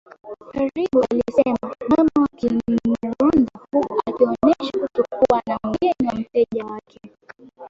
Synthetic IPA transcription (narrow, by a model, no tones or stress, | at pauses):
haɾiɓualisɛmamamawakiuɾundahuakiɔnɛʃakut͡ʃukuwanamɛniwam̩tɛʄawakʰɛ